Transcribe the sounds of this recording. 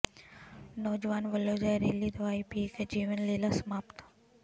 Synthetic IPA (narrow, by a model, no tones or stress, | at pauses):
nɔːd͡ʒʋaːnʋəlːoːd͡ʒajɾeːlid̪ɐʋaːipiːked͡ʒiːʋənleːlasəmaːpt̪ʰḁ